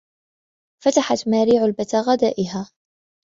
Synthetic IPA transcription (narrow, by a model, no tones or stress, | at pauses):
fat̪aħat̪maːɾiːʕalbat̪aɣad̪a̰ːʔɪɦaː